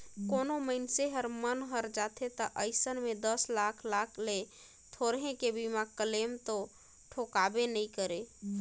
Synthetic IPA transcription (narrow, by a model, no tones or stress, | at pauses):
konoməɪnseɦəɾmənɦəɾd͡ʒat̪ʰet̪əʔəɪsənmed̪əslakʰlakʰle | t̪ʰoɾɦẽkebimakəlemt̪o | ʈʰokabenəikəɾe